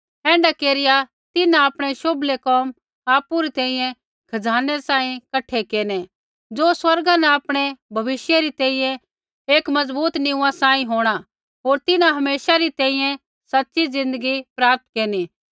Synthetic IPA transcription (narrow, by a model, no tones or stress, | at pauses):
ɛ̃ːɳɖakeːɾɪja | t̪ɪnãapɽ̃eʃoblekɔːm | aːpuɾit̪ɛ̃ːĩjɛ̃ | kʰɐd͡zaːnɛsãːĩkɐʈʰːekeːne | d͡ʒoːswɐɾɡãnɛ̃aːpɽ̃ebʱɐʋɪsjaɾit̪ɛ̃ːĩjɛ̃ | eːkmɐd͡zbuːt̪nɪũːãsãːĩɦoːɽ̃a | ɦoːɾt̪ɪnãɦɐmeːʃaɾit̪ɛ̃ːĩjɛ̃ | sɐtːʃizɪ̃nd̪əɡipɾaːp̚t̪keːniː